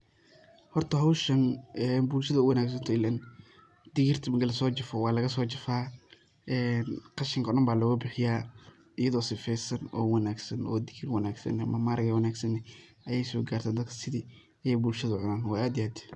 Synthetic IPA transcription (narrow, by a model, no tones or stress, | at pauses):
hɔrt̪ʰɐɦɐwʃɐnɛːnbuːlʃɐðɐʊwɐnaːɡs̬ɐnt̪ʰɪlɐn | d̪̥ɪɣɪrt̪ʰɐmɐɡɐlɐsɔːt͡ʃɪfɔwɑːlɐɣɐsɔːt͡ʃɐfaː | ɛːnqɑʃɪŋkʰɐɔɗɐmbaːlɔɣʊbɪħɪjaː | ɪjɐðɔːsɪfɛjsɐnɔ̰ːwɑnaːɡsɐnɔːd̪ɪɣirwɐnaːɡsɐ̰nɐmɐmaːɾɐɣɐwɐnaːɡsɐnɛʔɐjɛjsɔːɡaːrt̪ʰand̪ɐd̪kʰɐ̥sɪðiː | ɐjɛjbuːlʃɐðɐʕʊnaːnwɑːaːd̪ɪaːd̪